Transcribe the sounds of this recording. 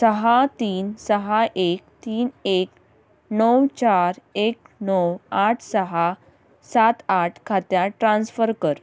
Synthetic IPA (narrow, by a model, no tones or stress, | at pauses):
səɦat̪iːnsəɦaʔekt̪iːnek | nəwt͡ɕaɾek̚ | nəwaʈʰsəɦa | sat̪aʈʰkʰat̪jaʈɾãnsfəɾkəɾ